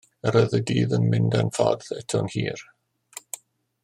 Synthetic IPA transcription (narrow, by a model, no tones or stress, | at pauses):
əɾəðədiːðənmɪndanfɔ̰ðɛtʰɔnhiːr